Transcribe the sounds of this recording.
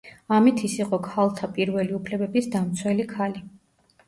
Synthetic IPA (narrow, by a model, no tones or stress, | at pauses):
amit̪ʰisiqʼɔkʰalˠt̪ʰapʼiɾvɛliupʰlɛbɛbisd̪amt̪sʰwɛlikʰali